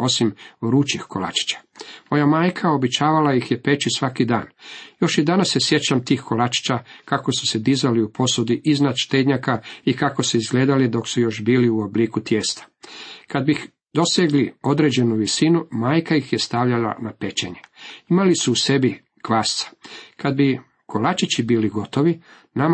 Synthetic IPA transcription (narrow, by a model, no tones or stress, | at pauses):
o̞simɾuːt͡ʃixko̞la̰t͡ʃi̥t͡ɕḁmo̞jamaːjkʰao̞bet͡ɕaːʋalajixjepe̞t͡ʃisʋakid̪a̰ːnjo̞ʃid̪anasːe̞sje̞t͡ɕamt̪iːxko̞lat͡ʃi̥t͡ɕakako̞su̥sed̪izaliupʰo̞sod̪iʔiznad̪ʃt̪eːd̪ɲakaikako̞suizɡleːd̪alid̪o̞ksujo̞ʃbiːliuobliːkut̪jest̪ḁkad̪̚bix | d̪o̞sjeɡlio̞d̪ɾe̞d͡ʑe̞nuʋisinumaːjkajixje̞st̪aʋʎala̰nape̞t͡ɕe̞̰ɲeimalisuːse̞bi | kʋaːst̪sḁkad̪̚bi | kʰo̞lat͡ʃit͡ɕibiːliɡo̞t̪o̞ʋi | nam